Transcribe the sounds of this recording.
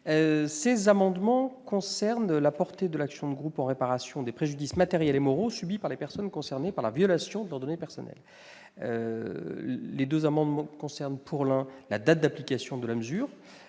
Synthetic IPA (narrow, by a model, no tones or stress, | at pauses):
øsezamɑ̃d̪mɑ̃kɔ̃sɛʁnlapɔʁt̪ed̪əlaksjɔ̃d̪əɡʁupɑ̃ʁepaʁasjɔ̃d̪epχeʒyd̪ismat̪eʁjɛlemɔʁosybipaʁlepɛʁsɔnkɔ̃sɛʁnepaʁlavjɔlasjɔ̃d̪əlœʁd̪ɔnepɛʁsɔnʔɛ̰l | ø̰ | led̪øzamɑ̃d̪mɑ̃kɔ̃sɛʁnpʰuʁlɛ̃la̰d̪at̪̚d̪aplikasjɔ̃d̪əlaməzyːʁ